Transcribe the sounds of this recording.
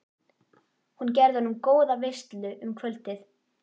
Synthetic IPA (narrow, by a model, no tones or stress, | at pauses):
huncɛɾðʏhɔnʏmkoːwðavejst̪lʏʔʏmkʰvœlt̪ɪθ